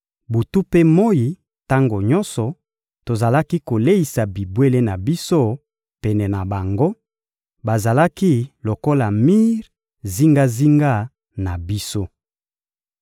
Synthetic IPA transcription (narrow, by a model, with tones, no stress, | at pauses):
bu˨tu˦pe˦mo˦ji˨ | ta˦ŋɡo˨ɲɔ˦nsɔ˨ | to˨za˨la˦ki˦ko˨le˦i˨sa˨bi˨bwe˦le˦na˨bi˦so˦ | pɛ˨nɛ˨na˨ba˨ŋɡo˦ | ba˨za˨la˦ki˦lo˨ko˦la˨mi˦ʁ | zi˦ŋɡa˦zi˦ŋɡa˦ | na˨bi˦so˦